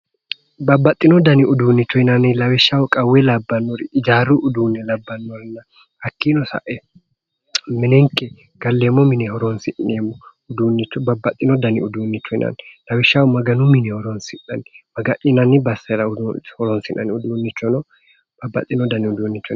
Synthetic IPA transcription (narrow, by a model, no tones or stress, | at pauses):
bɐbːɐt̪ʼːɪnɔd̪ɐnɪʊd̪uːnːɪt͡ʃːɔɪnɐnɪlɐwɛʃːawɔkʼɐwːɛlɐbːɐnːɔɾɪɪd͡ʒaːɾʊʔʊd̪uːnːɛlɐbːɐnːɔɾɪnːɐ | hɐkːinɔsɐ̰ʔɛ | mɪnɛŋkʼːɛ | ɡ̥ɐlːeːmːɔmɪnɛhɔɾɔnsɪnːeːmːɔ | ʊd̪uːnːɪt͡ʃːɔbɐbːɐt̪ʼːɪnɔd̪ɐnɪʊd̪uːnːɪt͡ʃːɔɪ̰nɐ̰nlɐwɛʃːawɔmɐɡɐnʊmɪnɛhɔɾɔnsɪnːɐ̰nɪmɐɡɐʔɪnɐnɪbɐsːɛɾɐhɔɾɔnsɪnɐ̰nɪʊd̪uːnːɪt͡ʃːɔnɔ | b̥ɐbːɐ̰t̪ʼːɪnɔd̪ɐnɪʊd̪uːnːɪt͡ʃːɔ